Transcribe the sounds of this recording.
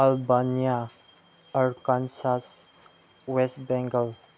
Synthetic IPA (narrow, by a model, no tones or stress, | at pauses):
ɐlbanija | əɾkansas | wesʈbɛ̃ŋɡəl